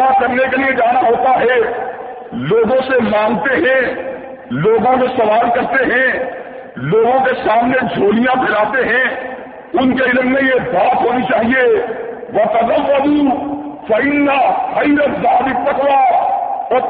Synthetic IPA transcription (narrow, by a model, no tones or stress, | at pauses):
akɐɾnekelied͡ʒaːnaɦoːt̪aɦɛ | loːɡõsemãːŋɡt̪eɦɛ̃ | loːɡõkẽsɐʋaːlkɐɾt̪eɦɛ̃ | loːɡõkesaːmned͡ʒʱoːlijãbʱɪlaːt̪eɦɛ̃ | ʊnkeɪlmːẽjebaːt̪ɦoːnit͡ʃaːɦieʋɐt̪ɐləʋːəd̪ufɐɪnːahɐiɾət̪zaːb̪ɪkp̪ɐkʋaː